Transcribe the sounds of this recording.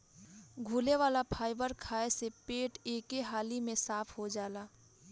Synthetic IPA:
ɡʱuːleʋaːlapʰaːɪbəɾkʰaːesepeːʈeːkeɦaːlimẽsaːpʰɦod͡ʒaːlaː

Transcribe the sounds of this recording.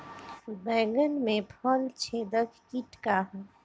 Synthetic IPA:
bɛ̃ːɡənmẽpʰɔlt͡ʃʰeːd̪əkʰkiʈkaɦũ

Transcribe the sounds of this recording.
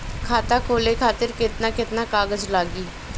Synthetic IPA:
kʰaːt̪aːkʰoːleːkʰaːt̪əɾkɪt̪naːkɪt̪naːkaːɡəd͡ʒlaːɡiː

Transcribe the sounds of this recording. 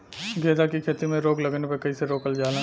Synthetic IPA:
ɡeːd̪akikʰeːt̪imẽɾoːɡlɐɡnepekɐiseɾoːkəld͡ʒaːlã

